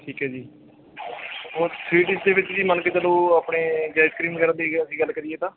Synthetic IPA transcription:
ʈʰiːkɦɛːd͡ʒiː | oːɾsɾiːʈɪsd̪eːʋɪt͡ʃd͡ʒiːmənket͡ʃəloːaːpɳeːd͡ʒaːɪskɾiːmkəɾə̃nd̪eːəsĩːɡəlkəɾiːeːt̪ãː

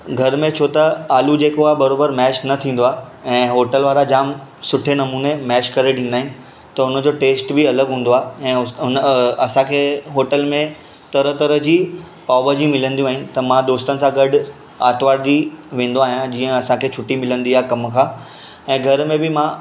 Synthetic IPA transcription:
ɡʱɐɾmẽt͡ɕʰot̪ɐaːlud͡ʑeːkoabɐɾoːbəɾmɛːʃnɐt̪ʰĩːn̆d̪oaːɛ̃ːɦoːʈəlʋaːɾad͡ʑaːmsʊʈʰenɐmuːnemɛːʃkɐɾeɖʰʱĩːn̆d̪aːɦɪ̃nɪ̆ | t̪ɐʊnə̆d͡ʑoːʈeːsʈbɪɐləɡɦũːn̆d̪oaːɛ̃ːʊʊnɐsãkʰeːɦoːʈəlmẽ | t̪ɐɾət̪ɐɾəd͡ʑiː | paːbəd͡ʑimɪlə̃nd̪iũaːɦɪnɪ̆t̪ɐmãd̪oːst̪ənɪ̆sãɡɐɖʊ | a̰ːt̪ʋaːɾd̪iʋẽːn̆d̪oaːɦɪjãd͡ʑiːə̃ɐsãkʰeːt͡ɕʰʊʈːimɪlə̃nd̪iaːkɐmkʰãː | ɛ̃ːɡʱɐɾmẽbɪmã

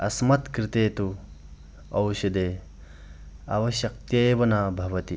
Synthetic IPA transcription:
ɐ̰smɐt̪kɾɪt̪eːt̪u | ɐwʃɐd̪eː | ɐ̰ʋɐʃɐk̚t̪jeːʋɐnaːbʱɐʋɐt̪i

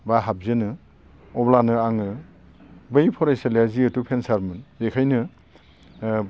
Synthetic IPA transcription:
baɦab̚zɯnɯ | ɔblanɯaŋɯ | bɯjpʰɔɾajsaljaziɯtupʰensaɾmɯnzekʰajnɯ

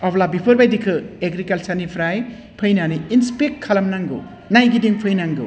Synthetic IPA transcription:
ɔblabipʰɯɾbajdikʰɯeɡɾikɐlsɐɾnipʰɾaj | pʰɯjnaniinspek̚tkʰːɐlɐmnaŋɡɯ̰ | najɡidiŋpʰɯjnaŋɡɯ̰

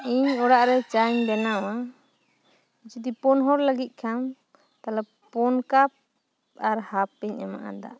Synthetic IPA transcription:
iɲɔɽaʔɾɛt͡ʃaɲbɛnawa | it͡ʃut̪ipɔnɦɔɾlaɡit̪̚ˀkʰam | t̪alɛ | pɔnkap̚ | aɾhapːɛɲɛma̰ʔa̰d̪a̰

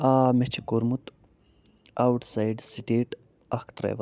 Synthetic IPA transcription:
aːmet͡ʃʰikoɾmut̪ | awʈsajɖsiʈeːʈ | akt̪ɾa̰ʋ

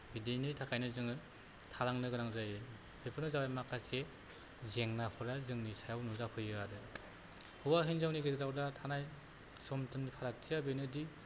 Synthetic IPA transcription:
bidenitʰakʰajnɯzɯŋɯ | tʰaɾaŋnɯɡɯɾaŋzajɯ | bʰepʰɯɾnɯzawajmakʰase | zeŋnapʰɯɾazɯŋnisajawnuzapʰɯjɯaɾɯ | hɯwaɦinzawniɡiɾawdatʰanaj | sɔmtɯnipʰaɾak̚tʰijabɯjnɯdi

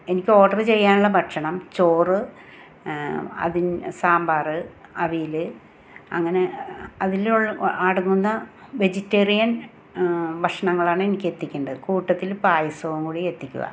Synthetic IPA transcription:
e̞nikʲːɨo̞ːʈːɐrɨt͡ɕe̞jːaːnuɭːɐbʱɐʈʂɐɳɐmt͡ɕo̞ːrɨ | ɐ̰ðinsaːmbaːrɨɐʋijilɨ | ɐ̰ŋːɐne̞ɐðiluɭːaːɽunːunːɐʋe̞d͡ʑitːeːrijɐn | bɐʂɐɳɐŋːɐɭaːɳɨenikʲːe̞t̪ːikʲːuɳɖɐðɨkuːʈːɐt̪ːilpaːjɐsɐʋɐmkuːɽie̞t̪ːikʲːṵɣɐ̰

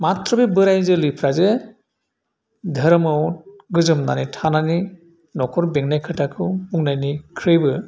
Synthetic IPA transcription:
mat̪ɾɔbebɯɾajzɯlipʰɾaze | d̪ʱəɾmɯwɡɯzɯmna̰nitʰanani | nɔkʰɔɾbeŋnajkʰɯtakʰɯuŋnajnikʰɾɯjbɯ

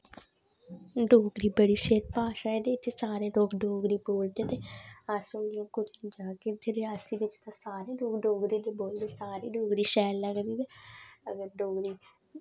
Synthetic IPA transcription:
ɖoːɡɾiːbəɽiːʃeːɾpaːʃaːeːd̪eːɪt̪ʰːeːsaːɾeːloːkɖoːɡɾiːboːld̪et̪eːaːsõːɡɪjãːkʊd͡ʒnid͡ʒaːket̪ʰːeɾaːsiːʋɪt͡ʃt̪ãːsaːɾeːloːkɖoːɡɾiːt̪eːboːld̪eːsaːɾiːɖoːɡɾiːʃɛːlːəɡd̪iːt̪eːəɡəɾɖoːɡɾiː

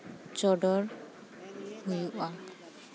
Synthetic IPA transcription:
t͡ʃɔɖɔɾ | hujuʔa

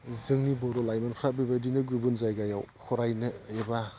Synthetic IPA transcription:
zɯŋnibɔɾɔlajmankʰɾabibadinɯɡubunzajɡajawkʰɔɾajnɯeba

